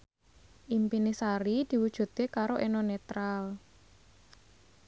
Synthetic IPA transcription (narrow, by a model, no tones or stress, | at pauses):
ʔimpinisaɾid̪̥i̤wud̥ʒ̥ṳt̪̚ekaɾoʔenonet̪ɾal